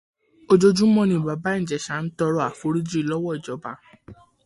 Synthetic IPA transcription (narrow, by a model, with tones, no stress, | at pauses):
o˧d͡ʒo˧d͡ʒũ˦mɔ̃˦˧nĩ˧˨ba˨ba˨˦ĩ˦˨d͡ʒɛ˨ʃa˨˦n̩˦tɔ˧ɾɔ˦a˨fo˦ɾi˦d͡ʒi˦i˧lɔ˦wɔ˦˨d͡ʒɔ˨˦ba˨˧